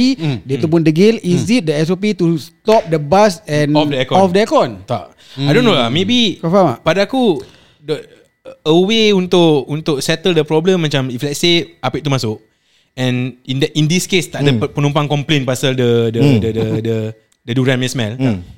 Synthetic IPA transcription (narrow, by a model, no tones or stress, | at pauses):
idət̪up̬undəɡɪlizit̪̚dəɛs̬op̬it̪ust̪ɔp̚dəbasɛ̃nɔfdəɛkɔɔfdəɛkɔnt̪a̰ʔ | ajdõnolamebikɔfamapadaaku | də | əweunt̪ʊʔunt̪ʊk̚sɛt̪əldəpɾɔblə̃mːat͡ʃamiflɛt̪̚seapiʔt̪umasʊk̚ | ɛ̃nindʔĩndiskest̪aʔdəpənũmpaŋkɔ̃mplẽnpasaldədədədədə | dəduɾãnmĩsmɛl